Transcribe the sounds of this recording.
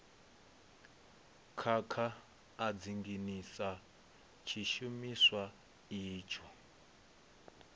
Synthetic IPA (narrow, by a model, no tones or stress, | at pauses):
kʰakʰaː | d͡ziŋɡinisa | t͡ʃʰiʃumiswa | iːt͡ʃʰɔ